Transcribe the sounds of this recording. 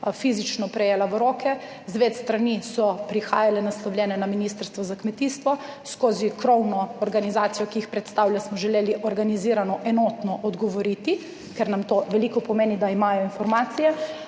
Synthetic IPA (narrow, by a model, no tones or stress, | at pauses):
fizit͡ʃnɔpɾɛjeːlaʋəɾoːkʰɛ | zʋeːt̪st̪ɾanisɔpɾixa̰ːjalɛnaslɔwlʲjɛːnɛnaminiːst̪əɾst̪ʋɔzakmɛt̪iːst̪ʋɔskoːzikɾɔwnɔːɾɡanizaːt̪sijɔkiixpɾɛt̪st̪aːwlʲjasmɔʒɛleːliʔɔɾɡaniziːɾanɔʔɛnoːt̪nɔʔɔd̪ɡɔʋɔɾiːt̪i | kɛɾnamt̪oʋɛlikɔpɔmeːnid̪aimaːjɔinfɔɾmaːt̪sijɛ